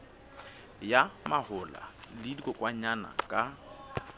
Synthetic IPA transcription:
jamahʊla̰lidikʼɔkʼwaɲana̰kʼa

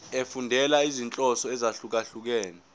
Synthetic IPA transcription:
efundʱɛlaizint͡ɬʼɔsɔɛzaɬuk̬aɬuk̬ɛːnɛ

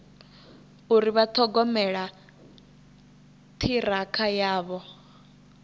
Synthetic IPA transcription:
uɾiβat̪ʰɔɡɔmɛɺa | t̪ʰiɾakʰajaːβɔ

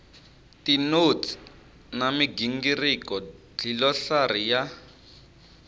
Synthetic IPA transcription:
tinotʰi̥ | namiɡiŋɡirikɔ | d͡ɮilɔɬarija

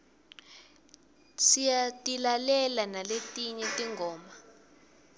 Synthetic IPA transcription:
sijatʼilalɛlanaletʼiɲɛtʼiŋɡʱɔːma

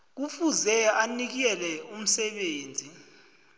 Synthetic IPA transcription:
k̬ufuzɛanik̬ɛlɛum̩sɛɓeːnd͡zʱi

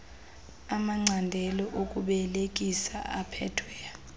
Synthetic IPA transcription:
amaŋ͡ǀʱandʱɛlɔʔokʼuɓɛlek̬ʼisa̰ʔapʰɛtʰwɛːa

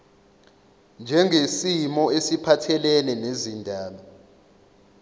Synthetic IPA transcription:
nd͡ʒʱɛŋʱesimɔesipʰatʰɛlɛnɛnezindʱaːɓa

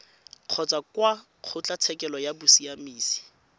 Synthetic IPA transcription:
q͡χʰɔt͡sʼakwa | q͡χʰʊt͡ɬat͡sʰɛkɛlɔjabʊsiamiːsi̥

